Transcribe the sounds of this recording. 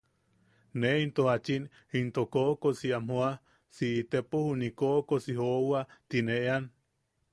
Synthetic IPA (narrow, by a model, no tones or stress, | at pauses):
neint̪ohat͡ʃin | int̪okoʔkosiamhoa | siʔːt̪epohunikoʔkosiɦowat̪ineʔean